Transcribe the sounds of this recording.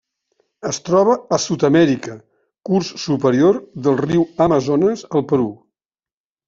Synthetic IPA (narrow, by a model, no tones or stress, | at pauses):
əst̪ɾɔβ̞əːsut̪əmɛɾikə | kursːupəɾioɾðəlˠriwəməzonəzəlˠpəɾu